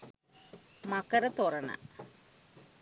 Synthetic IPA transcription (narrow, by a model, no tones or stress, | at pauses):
mɐkːɐɾɐt̪orɐna̰